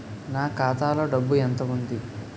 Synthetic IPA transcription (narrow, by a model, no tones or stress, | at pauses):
naːkaːt̪aːlo̞ːɖɐbːuent̪ɐʋund̪i